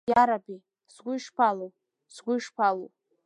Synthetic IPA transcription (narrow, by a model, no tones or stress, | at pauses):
jaɾabi | zɡʷʊiʂpʰalu | z̥ɡʷʊiʂpʰalu